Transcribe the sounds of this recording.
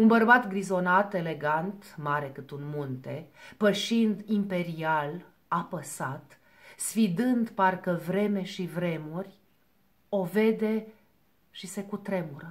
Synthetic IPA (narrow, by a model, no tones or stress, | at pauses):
unbərbat̪ɡɾizo̞nat̪e̞le̞ɡant̪maɾe̞kɨt̪unmunt̪e̞pəʃind̪impe̞ɾial | apəsat̪ | sfid̪ɨnd̪parkəvɾe̞me̞ʃivɾe̞murʲ | o̞ve̞d̪e̞ | ʃise̞kut̪ɾe̞muɾə